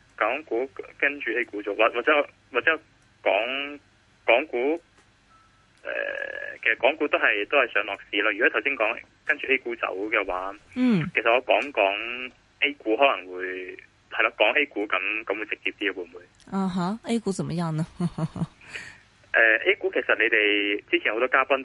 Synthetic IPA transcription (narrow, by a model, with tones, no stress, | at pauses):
kɔː˨˥ŋkuː˨˥kɐ˥ŋt͡ʃyː˨e˥jkuː˨˥t͡so˨˧waː˨t̚waː˨t͡sɛː˨˦˥ɔ˧ | waː˨t̚t͡sɛː˨˦˥ | kɔː˨˥ŋ | kɔː˨˥ŋkuː˨˥ | ʔɛ̰ː˨kʰe˨˩sɐ˨kɔː˨˥ŋkuː˨˥t̪o˥wɦɐ˨jt̪o˥hɐ˨jsœː˨˧ŋlɔː˨k̚siː˨laː˥jy˨kɔ˨˦˥t̪ʰwsi˥ŋkɔː˨˥ŋ | kɐ˥nt͡ʃyː˨e˥jkuː˨˥t͡sɐ̰˨˥wkɛː˧waː˨˥˩kʰe˨˩sɐ˨t̚ŋɔː˧kɔː˨˥ŋkɔː˨˥ŋ | ʔe˥jkuː˨˥hɔː˨˥lɐ˨˩ŋwuː˨˧j | hɐ˨˩jlaː˧kɔː˨˥ŋʔe˥jkuː˨˥kɐ˨˧˥mkɐ˨˦mwu˨˧jt͡sɪ˨k̚t͡siː˧p̚t̪iː˥a˧wu˨˧˩m˩˨muː˨˧˦ | aː˨ɦa˨˥ʔe˥jku˨˥t͡sɐ˨˩mɐ˨˩ja˥nɐ˧hhh | ʔɛː˧ʔe˥kuː˨˥kʰe˨˩jsɐ˨t̚ne˨˧t̪e˨jt͡siː˥t͡sʰːho˨˧wt̪ɔː˥kaː˥pɐ˥n